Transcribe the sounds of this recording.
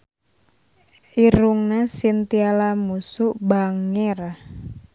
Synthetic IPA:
ʔiɾuŋnasint̪ialamusuʔbaŋɪr

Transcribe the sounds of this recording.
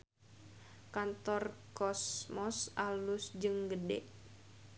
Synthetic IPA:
kant̪ɔrkɔsmɔsalusd͡ʒɨŋɡədɛ̰ʔ

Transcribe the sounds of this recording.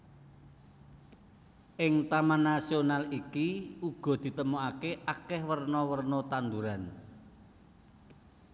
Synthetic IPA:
ʔɪŋt̪amanːasionalikiuɡ̥ɔ̤d̪̥i̤t̪əmuakeʔakɛhwərnɔwərnɔt̪and̪uɾan

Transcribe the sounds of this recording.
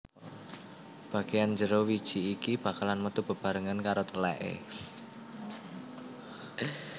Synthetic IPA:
b̥ä̤ɡ̥ejand͡ʒəɾowid̥ʒ̥i̤ːkib̥a̤kalanmət̪ub̥ə̤b̥a̤ɾəŋankaɾot̪əlɛʔḛ

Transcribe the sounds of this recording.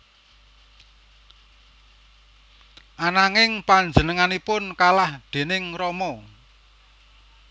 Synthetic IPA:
ʔanaŋɪŋpaɲd͡ʒənəŋanipʊnkalahd̪̥e̤nɪŋɾɔmɔ

